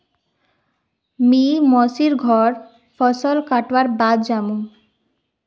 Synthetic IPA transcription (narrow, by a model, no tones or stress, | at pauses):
mimɔsiɾɡʱɔɾ | fʰɔsɔlkaʈwaɾbad̪d͡ʑamu